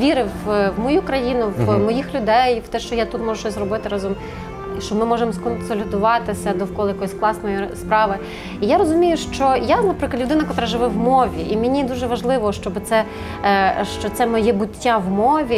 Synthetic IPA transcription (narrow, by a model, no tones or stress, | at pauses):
ʋʲiɾɪwwmɔjukɾɐjinʊʋmɔjixlʲʊd̪ɛjwt̪ɛʃt͡ʃɔjat̪ut̪mɔʒʊʃt͡ʃɔsʲzrɔbɪt̪ɪɾɑzɔm | ʃt͡ʃɔmɪmɔʒɛmskɔnsɔlʲid̪ʊʋɑt̪ɪsʲɐd̪ɔwkɔlˠɪjɐkɔjisʲklˠɑsnɔjispɾɑʋɪ | ijaɾɔzʊmʲijʊʃt͡ʃɔjanɐpɾɪklɐlʲʊd̪ɪnɐkɔt̪ɾaʒɪʋɪʋmɔʋʲiʔimʲenʲid̪uʒɛʋɐʒlˠɪʋɔʃt͡ʃɔbɪt̪sɛ | ʃt͡ʃɔt̪sɛmɔjɛbʊtʲːaʋmɔʋʲi